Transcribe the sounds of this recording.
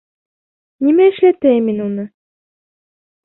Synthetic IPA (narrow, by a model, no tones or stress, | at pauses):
nimæɘ̆ʃlæt̪æjminunɤ